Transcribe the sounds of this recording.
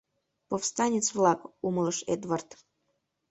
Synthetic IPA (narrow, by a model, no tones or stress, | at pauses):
pofst̪ɑnʲet͡svlˠɑkuməlˠəʃḛd̪vart̪